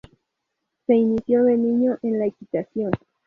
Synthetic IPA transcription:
se̞inisjoβe̞niɲoʔenlaekit̪asjon

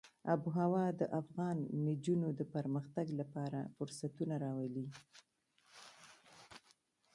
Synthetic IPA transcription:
abuɦawɑd̪əʔafɣɑnmid͡ʒunod̪əpəɾməxt̪aɡlapɑɾa̰fʊɾsat̪unaɾɑwali

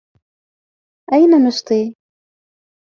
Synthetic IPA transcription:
ʔajnanʊst̪ˤiː

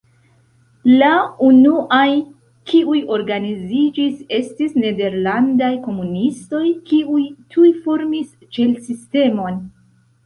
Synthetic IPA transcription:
launuʔaj | kiʔujo̞ɾɡanizid͡ʒise̞stisne̞de̞ɾlandajko̞munisto̞jkiujtʰujfo̞ɾmis | t͡ʃe̞lsiste̞mo̞n

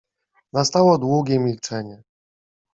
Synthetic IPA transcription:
nast̪awɔd̪wuɡʲɛmʲilt͡ʂɛɲɛ

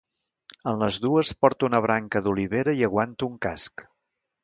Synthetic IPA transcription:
ənləzðuəspɔɾt̪uunəβ̞ɾaŋkəðuliβeɾəiəɣwant̪uuŋkask

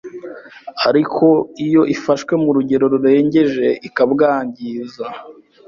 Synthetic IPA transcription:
aɾikʰo̞ijo̞ʔifaʃwe̞muɾuɟe̞ɾo̞ɾuɾe̞ːɲɟe̞ʒe̞ʔikabɡaːɲɟiːza

